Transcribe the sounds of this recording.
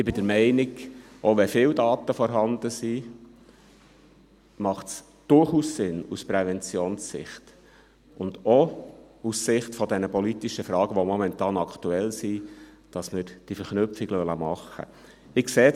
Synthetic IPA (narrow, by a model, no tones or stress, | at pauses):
ɪbɪd̥əɾmɛɪnɪɡ | ʔɔʋɛfɪːwdɑːt̪əfɔɾɦɑnd̪əsi | mɑχts | d̥ʊɾχuːssɪnuspɾɛvɛnt͡sioːnsːɪ̰χt | ʊnd̪ɔussɪχtfɔd̪ɛnəpɔlit̪iʃəfɾɑːɡ̥əʋomɔmɛnt̪ɑːnɑktuɛlsi | d̥ɑsmɪɾd̥ifəɾχnʉpfiɡlœləmɑχːə̰ | ɪkseː